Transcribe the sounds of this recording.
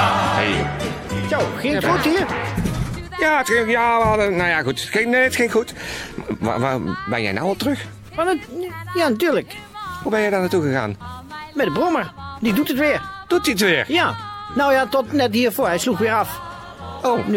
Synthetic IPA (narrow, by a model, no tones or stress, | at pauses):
hḛj | sowxeuthiːəɹ | jaːətxɪjaːʋəɑdənowjaxutxɪneətxɪnxut | a̰bɛ̰njɛ̰jna̰wɑlˠtrəx | ʋanəjaːnatyːɹləkhubɛnjɛjdaːnatuɣəɣa̰ːnmɛdəbroməɹdidutətʋɪːəɹd̥ut̚diətʋɪːɹjanowjatɔtnɛtɦiːɹvʊːɹɦɛjsluxʋɪːɾɑf | own